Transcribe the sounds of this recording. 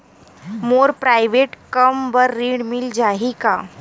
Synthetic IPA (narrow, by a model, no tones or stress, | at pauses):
moɾpɾajʋeʈkəmbəɾːiːɳmild͡ʑaɦika